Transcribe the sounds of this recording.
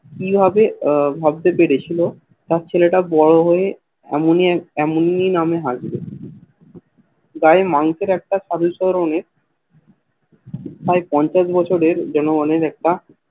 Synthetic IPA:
kibʱabebʱab̚d̪epeɽet͡ɕʰilo | t̪aɾt͡ɕʰeleʈabɔɭoɦoe | ɛ̰moniɛmonːinameɦad͡ʑbe | ɡaemaŋkeɾɛk̚ʈaʃaɾuʃɔɾoneɾ | paepɔɲt͡ɕaʃbɔt͡ɕʰoɽeɾd͡ʑɔnoɡaneɾɛk̚ʈa

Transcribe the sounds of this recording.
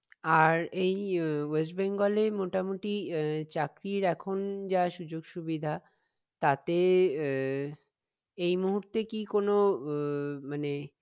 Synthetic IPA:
aɾejoes̬beŋɡolemoʈamuʈit͡ɕakɾiɾɛkʰond͡ʑaʃud͡ʑoɡʃubid̪ʱa | t̪at̪e | ejmuɦuɾt̪ekikono | mane

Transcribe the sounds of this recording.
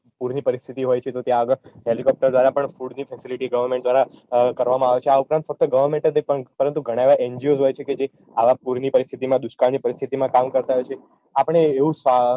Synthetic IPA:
puɾnipəɾist̪ʰit̪iɦojt͡ʃʰet̪ot̪jãəɡəɦelikɔp̚ʈəɾd̪ʋaɾapəɳfuɖnifʰɛsiliʈiɡəʋəɾmẽɳʈd̪ʋaɾakəɾʋamãaʋet͡ʃʰeaupɾãnt̪fək̚t̪əɡəʋəɾmẽɳʈd̪epəɳpəɾənt̪uɡʱəɽ̃ãeʋaʔeɲd͡ʒiozɦojt͡ʃʰeked͡ʒe | aʋapuɾnipəɾist̪ʰit̪imãd̪uʃkaɳnipəɾist̪ʰit̪imãkamkəɾt̪aɦojt͡ʃʰe | apəɳ̃eːʋũsa

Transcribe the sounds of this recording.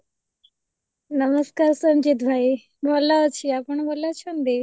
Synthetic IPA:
nəməskaːɾsɐmd͡ʒit̪bʱaːi | bʱɔlat͡ʃʰiapəɳbʱɔlat͡ʃʰond̪i

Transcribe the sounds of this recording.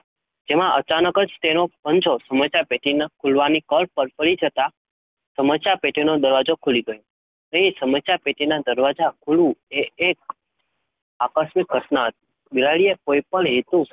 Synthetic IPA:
d͡ʒemãʔət͡ʃanəkəd͡ʒt̪enopəɲt͡ʃosəmət͡ʃjapeʈʰinakʰulʋanikəɭpːəɾpəɭid͡ʒət̪a | səmət͡ʃjapeʈʰinod̪əɾʋad͡ʒokʰuliɡəjõ | ə̃ĩsəməsjapeʈʰinad̪əɾʋad͡ʒakʰulũeːk̚ | akəsmikɦəʈnaət̪̚ | bilaɭijekoipəɳɦit̪ũ

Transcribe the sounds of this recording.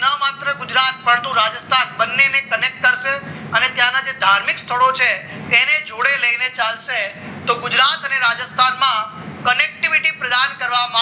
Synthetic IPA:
namat̪ɾəɡʊd͡ʒɾat̪̚pəɳt̪ũɾad͡ʒəst̪ʰanbənːenekənek̚ʈ̚kəɾʃe | ənet̪jãnad͡ʒed̪ʱaɾmikst̪ʰəɭot͡ʃʰeː | ned͡ʒoɽeləinet͡ʃalʃe | t̪oɡʊd͡ʒɾat̪əneɾad͡ʒəst̪ʰanmã | kənek̚ʈiʋiʈipɾəd̪ankəɾʋama

